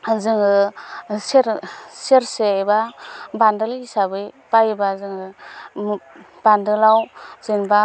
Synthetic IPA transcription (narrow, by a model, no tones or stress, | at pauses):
zɯŋɯseɾseɾsebabandɯlisabɯjpajbazɯŋɯ | b̥andɯlawz̥enba